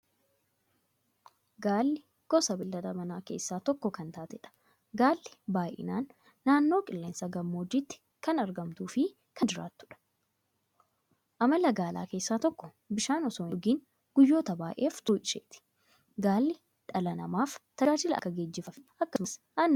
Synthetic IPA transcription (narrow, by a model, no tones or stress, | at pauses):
ɡaːlːɪ | ɡ̥ɔsɐbɪlːɐd̪ɐmɐnaːke̞̰ːsːaːt̪ɔkːɔkɐnt̪aːt̪ɛᶑɐ̥ | ɡaːlːɪ̥baːʔɪ̰naːnː | aːnːo̞ːkʼɪlːeːnsɐɡɐmːoːd͡ʒit̪ːɪ̥ | kɐnɐɾɡɐmt̪uːfɪ | kɐd͡ʒɪɾa̰ːt̪ːʊ̥ᶑɐ̥ | ʔɐmɐlɐɡaːla̰ːke̞ːsːaːt̪ɔkːɔ | bɪʃaːnɔsoːnɪɡiːn | ɡ̥ʊjːo̞ːt̪ɐbaːʔe̞ːft̪uːʔɪʃḛːt̪ɪ̥ | ɡaːlːɪ | ᶑɐlɐnɐ̰maːft̪ɐaːd͡ʒɪlɐ̰ɐ̰kːɐɡeːd͡ʒːɪfɐfɪɐkːɐɐsʔɐnː